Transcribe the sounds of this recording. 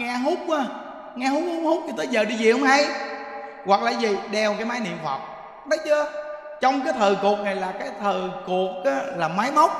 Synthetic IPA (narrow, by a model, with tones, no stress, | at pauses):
ŋɛː˧ɦu˦˥k͡p̚ʔaː˨˦ | ŋɛː˧hu˦˥k̚hu˨˦hu˦˥k͡p̚ɲʰi˧t̪əː˨˦jzəː˨˩ɗi˧zi˨˩hə˧wŋ͡mha˧j | ɣwa˨˩k̚laː˨˩zi˨˩ɗɛ˧˩wkaː˨˦jmaː˨˦jnḭ˧˨ənfə̰˨˩k͡p̚ | ɗə˨˦wt͡ɕɨ˧ə | t͡ɕɔ˧wŋ͡mkaː˨˦jt̪ʰəː˨˩ku˨˩ək̚na˨˩jlaː˨˩kaː˨˦jt̪ʰəː˨˩ku˨˩ək̚ʔa˨˦laː˨˩ma˨˦jmə˦˥wk͡p̚